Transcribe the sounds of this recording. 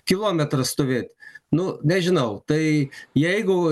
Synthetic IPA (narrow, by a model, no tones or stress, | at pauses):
kʲɪlˠoːmʲɛt̪ɾɐst̪oːʋʲeːt̪ʲnʊnʲɛʒʲɪnɐʊt̪ɐɪjɛɪɡʊ